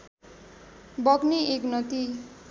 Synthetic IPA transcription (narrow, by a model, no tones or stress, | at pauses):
bʌɡnieknʌt̪i